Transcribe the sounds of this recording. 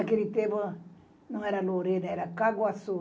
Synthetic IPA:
akelit̪ebo | nũŋeɾaloɾenaeɾakaɡwaso

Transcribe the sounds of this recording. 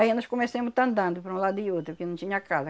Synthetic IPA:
ainɔskõmesẽmʊt̪ɐ̃nd̪ɐ̃nd̪ʊpɾɐũlad̪ʊɪowt̪ɾʊpkenɐ̃w̃t͡ʃ̪ĩɲɐkazɐ

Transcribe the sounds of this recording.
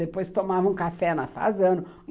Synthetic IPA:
epojst̪omavɐ̃ũkafɛnɐfa̰zɐ̃nʊ

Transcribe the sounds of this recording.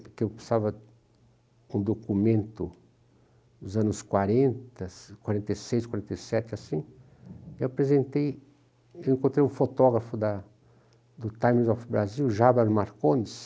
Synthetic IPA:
kewpasavɐ | ũd̪okumẽnt̪ʊ | ʊzɐ̃nʊskwaɾẽnt̪ɐskwaɾẽnt̪ejsejskwaɾẽnt̪ejsɛt͡ʃɪasĩ | ewapɾezẽnt̪ej | ewẽkõnt̪ɾejũfot̪ɔɡɾɐfʊd̪ɐ | d̪ʊt̪ajmzɔfbɾaziwʒabɐɾmaɾkõnɪs

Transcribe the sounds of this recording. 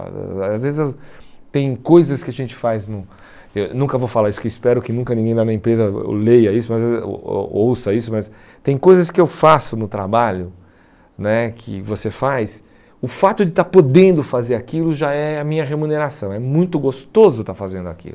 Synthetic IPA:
azvezɪzɛt̪ẽj̃kojzɐskɪaʒẽnt͡ʃɪ̥fajznʊ̃ | ewnũkɐvowfalaɾisʊ̥kewispɛɾʊkɪnũkɐnĩɡẽj̃lanɐẽpɾezɐlejɐisʊmɐz̰ | owsɐisʊmɐs | t̪ẽj̃kojzɐskɪewfasʊnʊt̪ɾabaʎʊ | nɛkʰɪ̰vosefajs | ʊfat̪ʊd͡ʒɪt̪aɾpod̪ẽnd̪ʊfazeɾakilʊʒaɛɐmĩɲɐɦemuneɾasɐ̃w̃ɛmũj̃t̪ʊɡost̪ozʊt̪aɾfazẽnd̪ʊa̰kḭlʊ

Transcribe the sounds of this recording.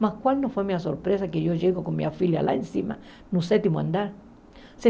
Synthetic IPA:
mahkwalnofwemiasoɾpɾesakejoʝeɣokonmḭafilja̰la̰ensima̰ | nũset̪imoa̰nd̪aɾ | se

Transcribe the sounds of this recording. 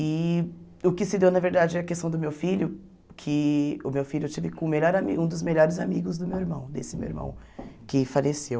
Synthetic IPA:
ɪ | ʊkɪsɪd̪ewnɐveɾd̪ad͡ʒɪɛɐkest̪ɐ̃w̃d̪ʊmewfiʎʊ | kʰɪʊmewfiʎʊt͡ʃivɪkõmeʎɔɾamiũd̪ʊzmeʎɔɾɪzamiɡʊzd̪ʊmewiɾmɐ̰̃w̃d̪ḛsɪmḛwḭɾmɐ̰̃w̃ | kɪfalesew

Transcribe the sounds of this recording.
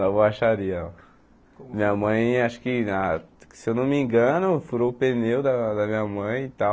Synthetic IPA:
nɐ̃voaʃaɾiɐa | mĩɲɐmɐ̃j̃aʃʊ̥kɪasewnɐ̃mĩɡɐ̃nʊfuɾopenewd̪ɐd̪ɐmĩɲɐmɐ̃j̃it̪a

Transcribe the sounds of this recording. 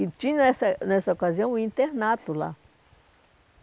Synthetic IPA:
it͡ʃĩesanesaokaz̬jõw̃ĩnt̪eɾnãt̪ula̰

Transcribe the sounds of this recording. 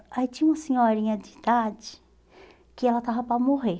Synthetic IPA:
ait͡ʃĩɲũmɐsẽɲɔɾĩɲɐd͡ʒɪid̪ad͡ʒɪ̥ | kɪɛlɐt̪avɐpɾɐmoɦe

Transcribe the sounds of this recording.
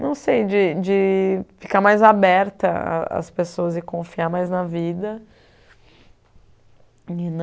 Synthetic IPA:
nɐ̃w̃sejd͡ʒɪd͡ʒɪfi̥kaɾmajzabɛɾt̪ɐa̰ɐ̰spesoɐzɪkõfiaɾmajznɐvid̪ɐ | ɪn

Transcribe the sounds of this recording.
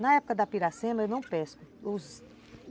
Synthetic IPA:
nɐɛpʊ̥kɐd̪ɐpiɾasẽmɐewnɐ̃w̃pɛskʊʊz

